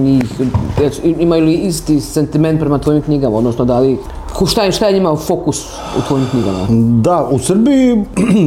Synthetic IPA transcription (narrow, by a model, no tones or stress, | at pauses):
ɲiːxaiimajuliist̪ise̞nt̪ime̞nt̪pɾemat̪ʋo̞jimkɲiɡamaod̪nosnod̪ali | kʃt̪aʃt̪aeɲimafo̞kus | ṵt̪ʋo̞jimkɲiɡa̰ma̰d̪ausrbiji